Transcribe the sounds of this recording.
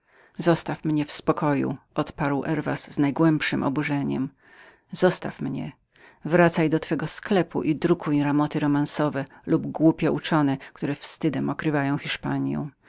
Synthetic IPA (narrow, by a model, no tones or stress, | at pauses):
zɔst̪afmɲɛfspɔkɔjṵʔɔt̪paɾwʔɛɾva̰sznajɡwɛmpʂɘmʔɔ̰buʐɛɲɛ̰m | z̥ɔst̪afmɲɛ̰ | vɾat̪sajd̪ɔt̪fɛɡɔsklɛpṵʔid̪ɾukʰujɾamɔt̪ɘɾɔmansɔvɛlubɡwupʲjɛʔut͡ʂɔnɛkt̪uɾɛfst̪ɘd̪ɛmɔkɾɘvajɔ̃w̃xʲiʂpaɲjɔ̰̃w̃